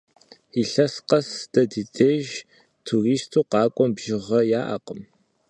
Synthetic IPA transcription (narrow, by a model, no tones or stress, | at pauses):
iɬɐsqɐsdɐdidʰeːʒ | tʰuriːstʰuːqɑːkʷʼɔmbʒɪʁɐjaːʔa̰qəm